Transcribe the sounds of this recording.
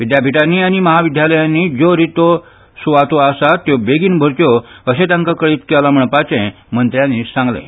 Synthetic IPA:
ʋid̪ʱjabʱiʈanːiañiməɦaʋid̪ʱjaləjãnːid͡zoɾit̪o | suʋat̪oasat̪ːjobeɡiːnbʱəɾt̪joəɕet̪ãŋkakəɭiːt̪kɛlam̤əɳpat͡ɕɛ̃ | mənt̪ɾjãnːisãŋɡlḛ̃

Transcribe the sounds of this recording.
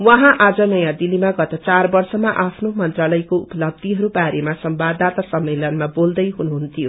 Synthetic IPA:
wʌɦãʔad͡zʌnʌjãd̪ilːimaɡʌt̪ʌt͡sarbʌrsʌmaʔapʰnomʌnt̪ralʌjkoupʌlʌb̚d̪iɦʌɾubaɾemasʌmbad̪at̪asʌmːelʌnmabold̪ʌjɦunuɦunt̪ʰijo

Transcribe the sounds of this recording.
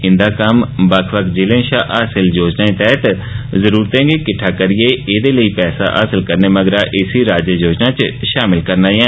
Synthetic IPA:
ɪ̃nd̪aːkəmbəkʰʋəkd͡ʒɪlẽːʃaːʔaːsɪld͡ʒoːd͡ʒnaːẽːt̪ɛːt̪ | zəɾuːɾt̪ɛ̃ːŋɡeːkɪʈʰːaːkəɾɪeːeːd̪eːləiːpɛːsa̰ːʔa̰ːsɪlkəɾneːməɡɾaːʔɪsiːɾaːd͡ʒəd͡ʒoːd͡ʒnaːt͡ʃʃaːmɪlkəɾnaːɛː

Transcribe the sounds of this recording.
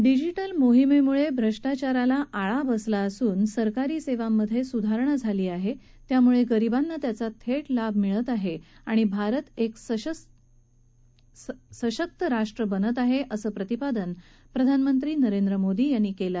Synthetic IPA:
ɖid͡ʑiʈəlmoɦimemuɭebʱɾəʂʈat͡ɕaɾalaʔaɭabəslaəsuːnsəɾkaɾiːseʋamːəd̪ʱːjesud̪ʱaɾɳəd͡zʱaliːaɦe | t̪jamuɭeɡəɾibanːət̪jat͡sat̪ʰeʈlabʱmiɭət̪aɦeaɽ̃ibʱaɾət̪eks | səɕək̚t̪əɾaʂʈɾəbənət̪aɦeʔəsəːpɾət̪ipad̪ən | pɾəd̪ʱanmənt̪ɾiːnəɾend̪ɾəmod̪iːjanːiːkela

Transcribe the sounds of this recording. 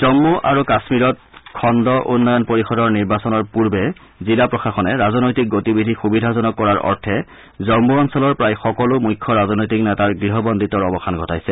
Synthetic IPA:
zɔmːuʔaɹukasmiɹɔt̚kʰɔndɔʔunːɔjɔnpoɹixɔdɔɹniɹbasɔnɔɹpuɹbɛ | zilapɹɔxaxɔnɛɹazɔnojtik̚ɡotibidʱixubidʱazɔnɔkːɔɹaɹʔɔ̰ɹtʰɛ | zɔmːuɔnsɔlɔɹpɹajxɔkɔlʊmujkʰːɔɹazɔnojtiknɛtaɹɡɹiɦɔbɔnditɔɹɔbɔxʰanɡʱɔtajsɛ

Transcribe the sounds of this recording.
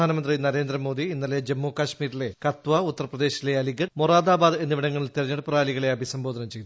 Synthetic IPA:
aːnɐmɐnd̪rinɐɾe̞ːnd̪rɐmoːd̪iinːɐle̞d͡ʑemːoːkaɕmiːɾile̞kɐt̪ʋɐut̪ːɐrɐprɐd̪e̞ːɕile̞ɐliɡɐmoraːd̪aːbaːd̪e̞nːiʋiɽɐŋːɐɭilt̪irɐɲːɐɽɨpraːliɣɐɭe̞ɐbʱisɐmbo̞ːd̪ʱɐnɐmt͡ɕe̞j̪u

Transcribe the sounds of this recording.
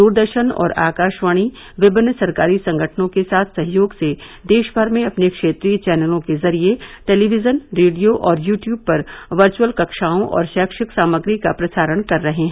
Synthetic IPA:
d̪uːɾd̪əɾʃənɔ̰ːɾa̰ːkaːʃʋaːɽ̃i | ʋɪbɪnːəsɐɾkaːɾisɐ̃ŋɡʱəʈʰnõkesaːt̪ʰsɐɦjoːɡsed̪eːʃbʱɐɾmẽɐpnekʃeːt̪ɾiːt͡ʃɛːnəlõkezɐɾieʈeːliʋɪzənɾeːɖijoʔɔːɾjuːʈjuːb̚pɐɾʋɐɾt͡ʃuwəlkɐkʃaːõʔɔ̰ːɾʃaːkʃɪksaːməɡɾikapɾɐsaːɾəɽ̃kɐɾːɐɦẽɦɛ̃ː

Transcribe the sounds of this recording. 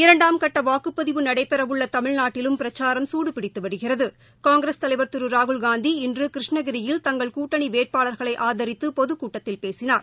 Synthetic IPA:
ɪɾɐɳɖaːmkɐʈːɐʋaːkːɯpːɐðɪʋɯnɐɽɐɪpːɛɾɐʋɯɭːɐt̪ɐmɪɻnaːʈːɪlɯmpɪɾɐt͡ʃːaːɾɐmsuːɽɯpɪɽɪt̪ːɯʋɐɽɯɣɪrɐðɯ | kaːŋɡɾest̪ɐlɐɪʋɐɾt̪ɯɾɯɾaːɣɯɭɡaːnd̪iɪndrɯkɪɾɪʂɳɐɣɪɾɪjɪlt̪ɐŋɡɐɭkuːʈːɐɳiʋeːʈ̚paːɭɐɾɣɐɭɐɪʔaːðɐɾɪt̪ːɯpɔðɯkuːʈːɐt̪ːɪlpeːsɪnaːɾ

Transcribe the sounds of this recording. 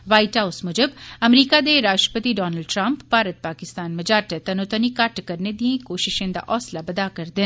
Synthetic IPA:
ʋaːiʈɦaʊsmʊd͡ʒəbɐmɾiːkad̪eɾaːʃʈɾə̥pət̪iɖɔːnəlɖʈɾɐ̃mpbʱaːɾət̪̚paːkɪst̪aːnmɐd͡ʒaːʈet̪ɐnot̪ənikɐʈkɐɾned̪iẽkoːʃɪʃẽd̪a̰ʔɔːslabɐd̪akɐɾd̪ɪn

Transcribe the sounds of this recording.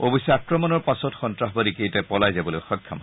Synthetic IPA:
obɔsɛakɹɔmɔnɔɹpasɔtxɔntɹaxbadikejtɛpɔlajzabɔlojxɔkʰːama

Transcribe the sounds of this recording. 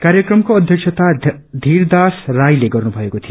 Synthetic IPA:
kaɾjekɾʌmkoːd̪ʱjʌkʃʰʌt̪ad̪ʱiɾd̪asɾajleɡʌɾnubʱʌekot̪ʰij

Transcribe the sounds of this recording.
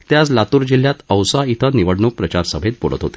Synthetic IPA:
t̪jaslat̪uːɾd͡ʑil̤ːjat̪əwsait̪ʰəniʋəɽɳupɾət͡ɕaɾsəbʱet̪̚bo̰ɭə̰t̪ɦo̰t̪e̥

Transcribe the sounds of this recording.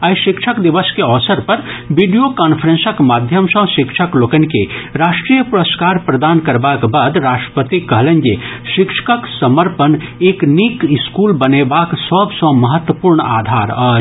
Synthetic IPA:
ɐjʃɪkʃʰəkd̪iʋəskeɔːsəɾpɐɾʋiɖijokaːnpʰəɾẽnsəkmaːd̪ʱjəmsɔ̃ʃɪkʃʰəkloːkənikeɾaːʃʈɾijəpuɾəskaːɾpɾɐd̪aːnkɐɾbaːkbaːd̪ɾaːʂʈɾə̥pət̪ikɐɦlə̃nd͡ʒe | ʃɪkʃʰə̥kəksɐməɾpəneːknikɪskuːlbɐnebaːksəbsɔ̃mɐɦət̪wəpuːɾɳa̰ːd̪ʱaːɾaː

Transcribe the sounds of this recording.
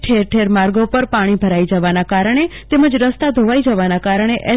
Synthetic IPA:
ʈʰeɾʈʰeɾmaɾɡopəɾpaɽ̃ibʱəɾaid͡ʒəʋanakaɾəɳ̃et̪eməd͡ʒɾəst̪ad̪ʱoʋaid͡ʒəʋanakaɾəɳ̃eʔɛ

